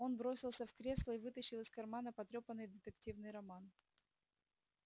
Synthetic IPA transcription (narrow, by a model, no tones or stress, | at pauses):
o̞nbɾo̞sʲɪlˠsʲəfkɾʲe̞slˠəivɨt̪əɕːɪlˠɨskɐrmanəpɐt̪ɾʲo̞pənːɨjd̪ɪt̪ɨktʲivnɨjɾɐman